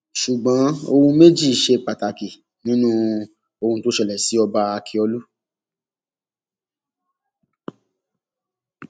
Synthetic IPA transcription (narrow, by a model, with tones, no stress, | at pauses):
ʃu˨ɡ͡bɔ̃˨˦o˧hũ˧me˦d͡ʒi˦˨ʃe˧pa˨ta˨ki˨ | nĩ˨˦nũ˦ | o˧hũ˧to˨˦ʃɛ˦˨lɛ˨si˨˦ɔ˧ba˧a˧kʰi˧ɔ˧lu˦